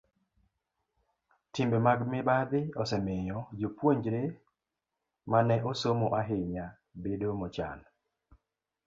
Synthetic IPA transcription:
tɪmbemaɡmɪbad̪ɪɔsɛmɪjɔd͡ʒopwoɲd͡ʒɾe | manɛʔosomoʔaɦɪɲja | bedomɔt͡ʃa̰n

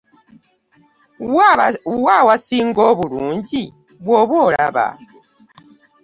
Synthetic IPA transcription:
wawasiŋɡɔβuluːɲɟi | βwɔβwɔːlaβa̰

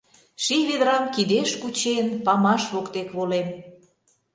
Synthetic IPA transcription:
ʃiβed̪ɾɑmkid̪eʃkut͡ɕenpɑmɑʃβokt̪ekβolem

